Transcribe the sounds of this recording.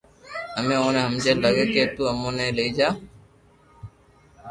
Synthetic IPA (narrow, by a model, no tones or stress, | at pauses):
əmẽːoːnẽɦəmd͡ʒeːləɡeːkeːt̪uːəmõːnẽːleiːd͡ʒaː